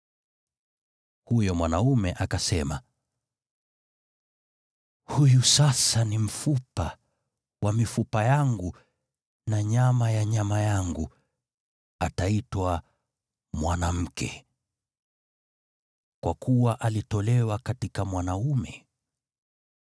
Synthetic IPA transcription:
hujɔmwanaumɛʔakasɛma | hujusasanim̩fupa | wʔamifupajaŋɡu | naɲamajaɲamajaŋɡu | ataitwa | mwanam̩kʰɛ̰ | kwakuwaʔalitɔlɛwakatikamwanaumɛ

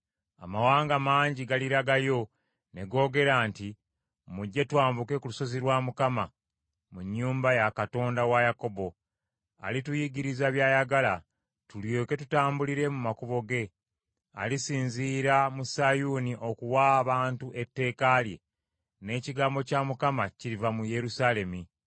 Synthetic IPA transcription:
a̰mawaːŋɡamaːɲɟiɡaliɾaɡajo̞ | ne̞ɡo̞ːɡe̞ɾaːnti | muɟːetwaːmbukekuluso̞ziɾwaːmukama | muɲːuːmbajakato̞ːndawajako̞bo̞ | a̰litujiɡiɾizaβjaːjaɡala | tuljeke̞tutaːmbuliɾe̞mumakuβo̞ɡe̞ | a̰lisiːnziːɾamusajuniʔo̞kuwaβaːntuʔe̞tːe̞ːkalje̞̰ | ne̞ːciɡaːmbo̞camukamaciɾivamuje̞ɾusale̞mi

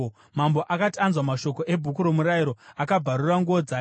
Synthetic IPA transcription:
mambo̞ʔakatanzwamaʃo̞ko̞ʔe̞bʱukuɾo̞muɾaiɾo̞akabʱaɾuraŋɡuod͡za

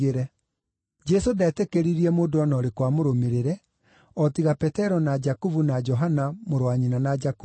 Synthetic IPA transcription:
eɾɛ | d͡ʒɛsodɛːtekeɾiɾiɛmoːndoɔnɔɾekwamoɾomeɾeɾɛ | ɔtiɣapɛtɛɾɔnad͡ʒakuvunad͡ʒɔɦanamoɾwaɲinanad͡ʒaku

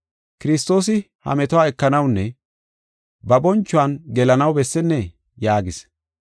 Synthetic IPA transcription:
kɪɾɪst̪ːo̞ːsɪ | hɐ̰mɛt̪ɔwaːɛkːɐnɐwnːɛ | bɐbɔnt͡ʃːʊanɡɛlɐnɐwbɛsːɛnːɛ | jaːɡɪs

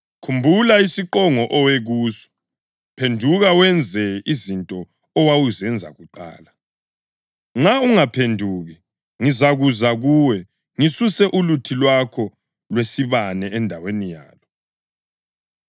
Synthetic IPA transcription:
kʰumbʱulaisiǃɔŋɔʔɔweɣuːsɔ̥ | pʰendʱuɣawɛnd͡zʱɛizintʼɔː | wawuzɛnd͡zʱa̰ɣuǃa̰ːla | ŋ͡ǁauŋapʰendʱuːɣɛ | ŋizaɣuzaɣuːwɛ | ŋisusɛʔulutʰilwakʰɔ | lwesiβanɛɛndʱawenija̰ːlɔ

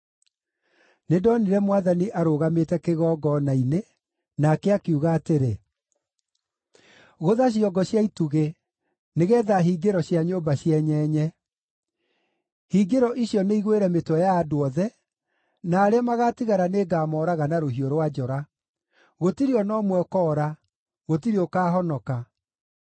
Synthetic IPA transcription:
nedɔniɾɛmwaðaniʔaɾoɣametɛkeɣɔɡɔnaine | nakɛakiuɣaːteɾe | ɣoðaɕ̬jɔɡɔɕjaituɣe | neɣɛːðaɦiːɡeɾɔɕjaɲoːbaɕjɛɲɛːɲɛ | hiːɡeɾɔʔiɕjɔneiɣweɾɛmetwɔjaːdoɔðɛ | naːɾeamaɣatiɣaɾaneːɡaːmɔɾaɣanaɾohioɾwad͡ʒɔɾa | ɣotiɾiɔnɔmwɛkɔɾa | ɣotiɾiɔkaːɦɔnɔka

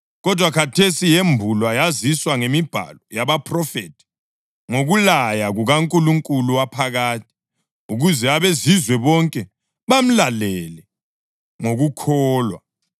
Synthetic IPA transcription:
ɣɔd̥ʱwakʰatʰesijembʱulwajaziswaŋemib̥ʱa̰lɔjaβapʰʼrɔfetʰi̥ | ŋoɣulajaɣuɣaŋkʼuluŋkʼuluwapʰaɣaːt̚ʰi̥ | uɣuzɛaβezizwɛβɔŋkʼɛ | βam̩lalɛlɛ | ŋoɣukʰɔːlwa̰

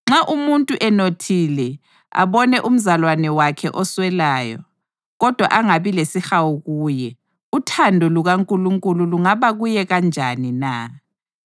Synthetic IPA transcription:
ŋ͡ǁaʔumuntʼuʔɛnotʰilɛ | a̰βɔnɛʔum̩zalwanɛwakʰɛ̰ʔɔswɛlaːjɔ̰ | ɣɔd̥ʱwa̰ʔaŋaβilesixawuɣuːjɛ | utʰandʱɔluɣaŋkʼuluŋkʼululuŋaβaɣujɛɣand͡ʒʱanina

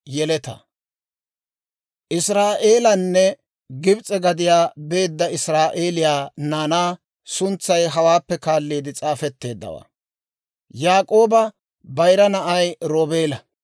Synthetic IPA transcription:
jɛlɛt̪ɐ̰ | ʔɪsɾaːʔe̞ːlɐnːɛ | ɡɪbt͡sʼɛɡɐd̪ɪjaːbe̞ːd̪ːɐɪsɾaːʔeːlɪjaːnaːnaː | sʊnt͡sːɐjɦɐwaːpːɛkaːlːiːd̪ɪt͡sʼaːfɛt̪ːe̞ːd̪ːɐ̰wa̰ː | jaːkʼo̞ːbɐ | bɐjɾɐnɐʔɐjɾoːbeːlɐ

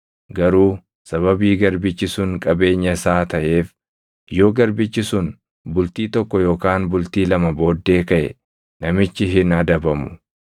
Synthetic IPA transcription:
ɡɐɾuː | sɐβɐbiːɡɐɾbɪt͡ʃːɪsʊŋkʼɐbe̞ːɲːɐɪsaːt̪ɐʔe̞ːf | jo̞ːɡɐɾbɪt͡ʃːɪsʊn | bʊlt̪iːt̪ɔkːɔjo̞ːkaːnbʊlt̪iːlɐmɐbo̞ːd̪ːe̞ːkɐʔɛ̰ | nɐmɪt͡ʃːɪɦɪnɐd̪ɐbɐmʊ̥

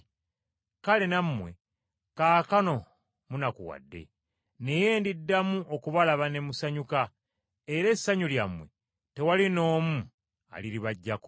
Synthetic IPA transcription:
kale̞nammwe̞̰ | kaːkano̞ | munakuwa̰dːe̞̰ | ne̞je̞ːndidːamuʔokuβalaβane̞musaɲuka | eɾe̞sːaɲuljamwe̞̰ | te̞walino̞ːmu | a̰liɾiβaɟːak

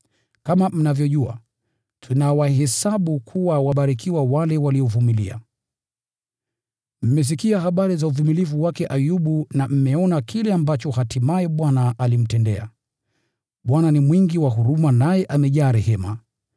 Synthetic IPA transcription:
kamam̩navjɔʄua̰ | tʰunawaɦɛsaɓukʰuwawaɓaɾikiwawalɛwaliɔvumilḭa̰ | m̩mɛs̬ikiaɦaɓaɾizauvumilivuwakɛʔajuɓunam̩mɛɔnakʰilɛambat͡ʃɔhatimajɛɓwanaʔalim̩tɛndɛ̰a̰ | ɓwananimwiŋɡiwaɦuɾumanajɛʔamɛʄaːɾɛhɛma̰

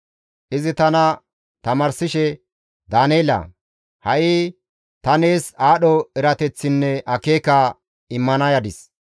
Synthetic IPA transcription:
ʔɪzɪt̪ɐnɐ | t̪ɐmɐɾsɪʃɛ | d̪aːneːlɐ̰ | hɐʔɪ | t̪ɐneːsaːɗɔɛɾɐt̪ɛt͡sːɪnːɛɐke̞ːkɐ | ɪmːɐnɐjɐd̪ɪs

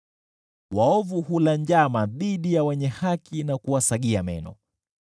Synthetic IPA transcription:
waɔvuhulaɲd͡ʒamaðiɗijawɛɲɛhakinakuwasaɠiamɛ̰nɔ̰

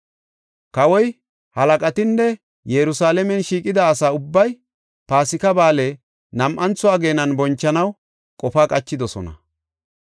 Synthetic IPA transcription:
kɐwɔj | hɐlɐkʼɐt̪ɪnːɛ | jɛɾʊsaːlɛmɛnʃiːkʼɪd̪ɐːsaːʊbːɐj | paːsɪkɐbaːle | nɐmʔɐnt͡sʊaːɡe̞ːnɐnbɔnt͡ʃːɐnɐw | kʼɔfaːkʼɐt͡ʃːɪd̪ɔsɔ̰nɐ̰

